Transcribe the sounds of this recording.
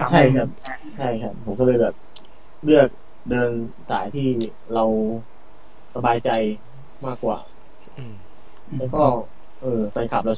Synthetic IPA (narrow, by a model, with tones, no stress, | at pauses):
t͡ɕʰa˥˩jkʰa˦˥˩p̚ | t͡ɕʰa˥˩jkʰa˦˥p̚ʰːo˨˩˦mkɔ˥˩lɤː˧jbɛː˨˩p̚ | ɾɯ˥˩ək̚ | dɤː˧n | sa̰ː˩˦jt̪ʰiː˥˩ | ɾa˧w | ɾa˧baː˧jt͡ɕa˧j | maː˥˩kːwa̰ː˨˩ | lɛː˦˥wkɔː˥˩ | ʔɤː˧fa˧jkʰa˨˩p̚ɾa˧w